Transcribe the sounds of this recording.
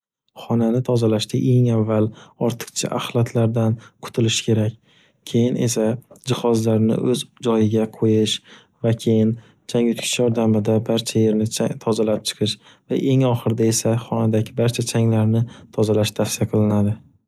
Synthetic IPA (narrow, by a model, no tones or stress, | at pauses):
χɒnanɪt̪ʰɒzalaʃt̪ʰɪʔe̞ŋavːalɒɾt̪ʰɨ̥qt͡ʃʰa̰ʔaχlˠat̪ʰlaɾd̪anqʰʊ̥t̪ʰɪlɪʃkʲʰe̞ɾakʲ | kʲʰe̞jɪne̞̰sad͡ʒɪχɒzlaɾnɪ̰ʔɵzd͡ʒɒjɪɡʲaqʰojɪʃ | vakʲʰe̞jɪn | t͡ʃʰaŋʊt̪kʲʰɪ̥ʃjɒɾd̪amɪd̪abaɾt͡ʃʰaje̞ɾnɪt̪ʰɒzalap̚t͡ʃʰɨ̥qʰɨʃ | va̰ʔe̞ŋɒχɨɾd̪ae̞saχɒnad̪aɡʲɪbaɾt͡ʃʰat͡ʃʰaŋlaɾnɪt̪ʰɒzalaʃt̪ʰafsɪijaqʰɨlˠɪnad̪ɪ